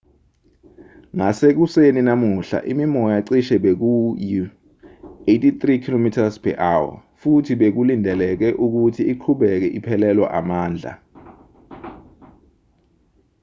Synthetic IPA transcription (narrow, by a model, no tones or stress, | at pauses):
ŋasek̬useninamuɬa̰ʔimimɔjaǀiʃɛɓek̬uji | etʼit̪rikʰilomitʰaspʰɛ̰ʔawa̰futʰiɓek̬ulindʱɛlɛk̬ɛʔuk̬utʰiːǃʰuɓɛk̬ɛʔipʰɛlɛlwa̰ʔamaːnd͡ɮʱa̰